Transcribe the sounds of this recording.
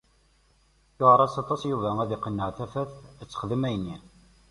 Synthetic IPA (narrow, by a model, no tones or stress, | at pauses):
jʊʁɾˤɑsɑt̪ˤɑsjuvææðiqːənːəʁθæfæθæt͡sːə̥χəðəmæjənːi